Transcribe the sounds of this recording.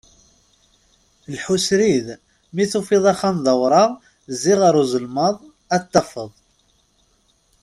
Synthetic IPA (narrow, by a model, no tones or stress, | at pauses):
lħusɾið | miθufiðˤɑχanðˤəwɾˤɑʁ | zːiʁaɾˤuzəlməðˤ | æt̪ːɑfəðˤ